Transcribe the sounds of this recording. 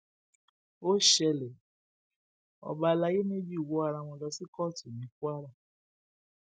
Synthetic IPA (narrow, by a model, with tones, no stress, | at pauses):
o˦ʃɛ˧lɛ˨ | ɔ̰˨ba˧la˧˦je˦ne˦bi˦u˨wo˨˦a˧ɾa˧w̃ɔ̃˧lɔ˧˦si˦kɔ˦˨tu˨nĩ˨˦ku˦a˦ɾa˦˨